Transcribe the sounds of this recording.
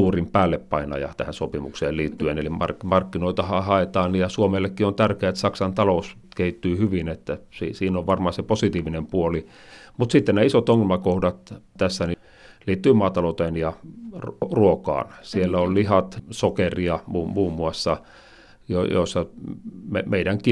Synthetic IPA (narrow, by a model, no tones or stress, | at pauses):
uːrimpæːlːeppɑinɑ̰jɑ̰t̪æ̰hænsopimukseːliːt̪ːyenelimɑ̰rmɑrkːinoit̪ɑhɑhɑet̪ɑːnnijɑsuomelːekːiont̪ærkeæet̪sɑksɑnt̪ɑlous | kehit̪ːyːhyʋinet̪ːæsḭsiːnoʋʋɑrmɑːseposit̪iːʋinempuoli | mut̪sit̪ːennæːisot̪oŋːelmɑkohdɑt̪t̪æsːæni | liːt̪ːyimɑːt̪ɑlout̪enjɑ | ruokɑ̰ːnsielːæollihɑt̪sokeriɑmuːmuːmːuɑsːɑ | jo̰jo̰isːɑmemeiɾæŋki